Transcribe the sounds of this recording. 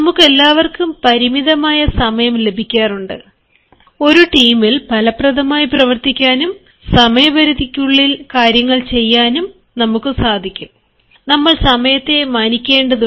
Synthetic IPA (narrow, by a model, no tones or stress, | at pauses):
nɐmukːe̞lːaːʋɐrkumpɐɾimiðɐmaːjɐsɐmɐjɐmle̞bʱikʲːaːruɳɖɨ | o̞ɾuʈiːmilpɐlɐprɐd̪ɐmaːjiprɐʋɐrt̪ikʲːaːnum | sɐmɐjɐbɐɾuðʱikʲːuɭːilkaːɾjɐŋːɐɭt͡ɕe̞jːaːnum | nɐmukːɨsaːd̪ʱikʲːum | nɐmːɐɭsɐmɐjɐt̪ːe̞maːnikʲːe̞ːɳɖɐðu